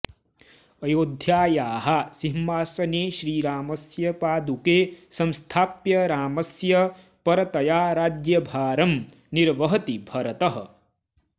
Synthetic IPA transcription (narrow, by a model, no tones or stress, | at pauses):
ɐjoːd̪ʱjaːjaːɦɐsiɦmaːsɐneːʃɾiːɾaːmɐsjɐpaːd̪ukeːsɐmst̪ʰaːpjɐɾaːmɐsjɐ | pɐɾɐt̪ɐjaːɾaːd͡ʒjɐbʱaːɾɐm | niɾʋɐɦɐt̪ibʱɐɾɐt̪ɐɦɐ̰̆